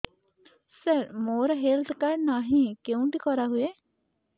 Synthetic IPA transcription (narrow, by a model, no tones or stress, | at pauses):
səɾmoːɾaɦelt̪ʰkaɾnaɦĩkeũt̪ikɔɾaɦue